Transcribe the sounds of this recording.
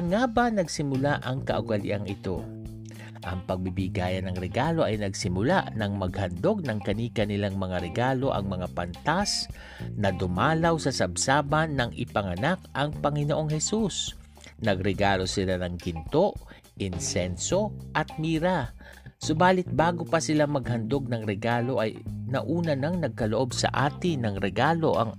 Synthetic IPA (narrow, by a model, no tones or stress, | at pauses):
ɐŋaːbɐnɐɡsɪmʊlaʔɐŋkɐ̰ʔʊɡɐlɪ̰ʔaŋɪt̪o̞ | ʔɐŋpɐɡ̚bibɪɡaːjɐnːɐŋɾɛɡaːlo̞ʔɐjnɐɡsɪmʊlaʔnɐŋmɐɡ̚hɐnd̪o̞ɡ̚nɐŋkɐniːkɐnɪlaŋmɐŋaɾɛɡaːlo̞ʔɐ̰ŋmɐŋapɐnt̪as | nɐd̪ʊmaːlɐwsɐsɐbsaːbɐnːɐŋʔɪ̰pɐŋɐnakʔɐŋpɐŋɪnoʔo̞ŋhɛsus | nɐɡɾɛɡaːlo̞sɪlanɐŋɡɪnt̪o̞ʔ | ʔɪnsɛnso̞ʔɐt̪̚miːɾɐ | sobaːlɪt̪̚baːɡopɐsɪlamɐɡ̚hɐnd̪o̞ɡ̚nɐŋɾɛɡaːlo̞ʔɐjnɐʔuːnɐnɐŋnɐɡ̚kɐloʔo̞bsɐ̰ʔaːt̪ɪnɐŋɾɛɡaːlo̞ʔɐŋ